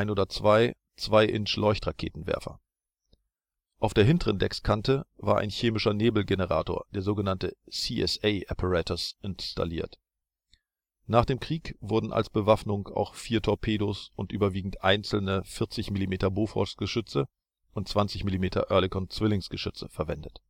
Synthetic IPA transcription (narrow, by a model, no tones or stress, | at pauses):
aɪnʔoːdɐt͡sv̥aɪ | t͡sv̥aɪʔɪ̰nt͡ʃlɔʏçtʁakʰḛːtn̩vɛ̰ɐfɐ̰ | ʔaʊfd̥eːɐɦɪntəʁəndɛkskʰantəvaːɐʔa̰ɪnçeːmɪʃɐneːbl̩ɡenəʁa̰ːto̰ːɐd̥eːɐzoːɡənantəsiːʔɛ̰sɛɪʔɛpʰəʁɛtɐsɪnsta̰liːɐt | naːχd̥eːmkʁ̥iːkv̥ʊɐdn̩ʔa̰lsb̥əvafnʊŋa̰ʊxfiːɐtʰɔɐpʰeːdosʊntʔyːbɐviːɡŋ̩tʔaɪnt͡sl̩nəfɪɐt͡sɪçmilimeːtɐboːfʁɔ̰sɡ̥əʃʏt͡sə | ʔʊnt̚t͡sv̥ant͡sɪçmilimeːtʰɐ̰ʔœɐlɪkɔnt͡sv̥ɪlɪŋsɡ̥əʃʏt͡sə̰fɛɐvɛndət